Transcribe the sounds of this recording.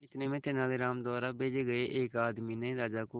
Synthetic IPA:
ɪt̪nẽːmẽːt̪ɪnaːleːɾaːmd̪ɔːɾaːbeːd͡ʒeːɡəeːʔeːkaːd̪miːnẽːɾaːd͡ʒaːkoː

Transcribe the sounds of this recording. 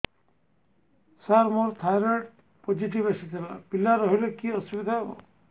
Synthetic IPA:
saɾmoɾt̪ʰajɾəʈ | pod͡ʒiʈ̬iʋesit̪ʰela̰pilaɾɔɦilekiɔsubid̪ʱaɦebɔ̰

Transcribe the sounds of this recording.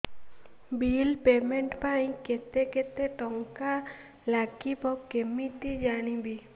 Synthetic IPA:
biːlpeːmẽɳʈpaĩket̪eket̪et̪ɔŋka | laːkibɔkemit̪id͡ʒaːñibʱi

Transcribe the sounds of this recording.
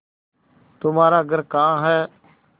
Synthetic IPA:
t̪ʊmaːɾaːəɡəɾkãːɦɛː

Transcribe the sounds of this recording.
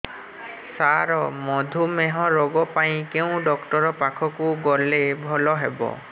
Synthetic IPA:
saɾɔmɔd̪ʱumeɦɔɹɔɡɔpaj̃keʊ̃ɖɔkʈɔɹɔpakʰɔkuɡɔlebʱɔlɔɦebɔ̰

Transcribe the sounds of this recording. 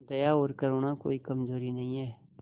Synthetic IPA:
d̪ɐjaoːɾkɐɾoːnako̰ːikɐmzoːɾinɐɦĩɦɛː

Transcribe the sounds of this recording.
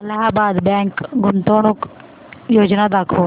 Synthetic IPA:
ɐlaɦabaːd̪bɛ̃ːŋkɡʊnt̪oːɽ̃ʊk | joːd͡ʒnad̪akʰoː

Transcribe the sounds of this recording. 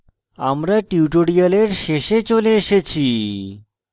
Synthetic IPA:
a̰mɾaʈiuʈoɽialeɾʃeʃet͡ɕoleeʃet͡ɕʰi

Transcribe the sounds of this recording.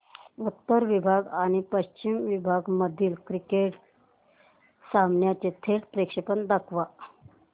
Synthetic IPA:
ut̪ːəɾʋibʱaɡañipəɕt͡ʃimʋibʱaːɡməd̪ʱilkɾikeːʈ | saːmnjat͡ʃet̪ʰeːʈpɾekʂepənd̪ɐkʰʋa

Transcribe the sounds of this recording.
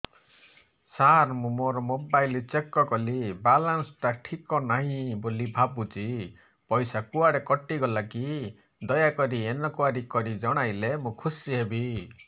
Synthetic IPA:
saɾmũmoɾɔmobajlt͡ʃekːɔkɔlibalansɔʈaʈʰikɔnaɦĩbolibʱabut͡ʃi | pɔjsakuaɽekɔʈiɡɔlaki | d̪ɔjakɔɾienɔkuaɾikɔɾid͡ʒɔɽ̃ajlemũkʰusiɦebi

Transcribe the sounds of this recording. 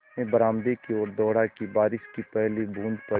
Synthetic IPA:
ẽbəɾaːmd̪ekiɔːɾd̪ɔːɽakibaːɾɪʃkipɛɦlibʱũːnd̪pɐ

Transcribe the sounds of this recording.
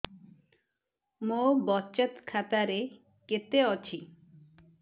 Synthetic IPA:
mobɔt͡ɕət̪kʰat̪aɾe | ket̪eɔt͡ɕʰi

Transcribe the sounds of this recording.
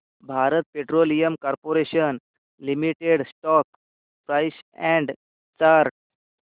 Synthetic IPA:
bʱaɾət̪̚peʈɾolijəmkɔɾpoɾeɕən | limiʈeɽsʈɔk | pɾajsɛ̃ɳɖ | t͡ɕaɾʈ

